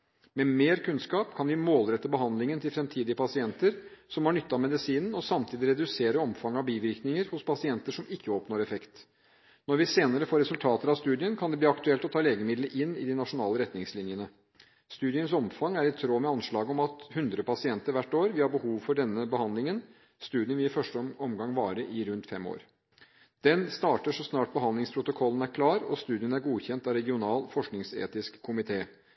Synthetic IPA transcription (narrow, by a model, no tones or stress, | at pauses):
mɛmeːɾkʰʉnskɑːpkʰɑnʋɪmoːlɾɛt̪ːəbəɦɑnd̪lɪŋənt̪ʰɪlfɾɛmt̪ʰiːd̪ɪəpʰɑsɪɛnt̪əɾsɔmhɑɳʏt̪ːɑɑmɛd̪ɪsiːnn̩ɔsɑmt̪ʰiːd̪ɪɾɛd̪ʉseːɾəɔmfɑŋːɑʋbiːʋɪɾknɪŋəɾhʊspʰɑsɪɛnt̪əʂɔmɪkʰːəɔpnoːɾɛfɛkt̪ | nɔɾʋɪseːnəɾəfoːɾɛsʉlt̪ʰɑːt̪əɾɑʋst̪ʉːd̪ɪənkʰɑnd̪ɛbliːɑkt̪ʉɛlt̪ɔt̪ʰɑːleːɡəmɪd̪ləʔɪnːɪ̰d̪ɪnɑʂʊnɑːləɾɛt̪nɪŋslɪnjənə | st̪ʉːd̪ɪənsɔmfɑŋːæɾɪt̪ʰɾoːmɛɑnʂɭɑːɡɔmɑt̪hʉnd̪ɾəpɑsɪɛnt̪əɾʋæʈːoːɾʋɪhɑɾbəhuːʋfɔɖɛnːəbəhɑnd̪lɪŋən | st̪ʉːd̪ɪənʋɪɪfœʂʈəɔmɡɑŋːʋɑːɾəʔɪɾʉnt̪fɛmːo̰ːɾ | d̪̥ɛnst̪ɑːʈəʂɔsnɑːʈ̚bəɦɑnd̪lɪŋspʰɾʊt̪ʊkʰɔlːənæɾkʰlɑːɾɔ̰st̪ʉːd̪ɪənæɾɡuːçɛnt̪ɑɾɛɡɪʊnɑːlfɔʂknɪŋsḛːt̪ɪskʰːʊmɪt̪ʰeː